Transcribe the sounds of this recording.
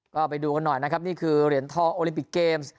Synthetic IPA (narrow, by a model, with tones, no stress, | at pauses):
kɔː˥˩pa˧jduː˧ka˧nːɔ˨˩jna˦˥kʰa˦˥p̚niː˥˩kʰɯː˧ɾi˩˦ənt̪ʰɔː˥˩ʔoː˧li˧˦mpi˨˩kːeː˧ms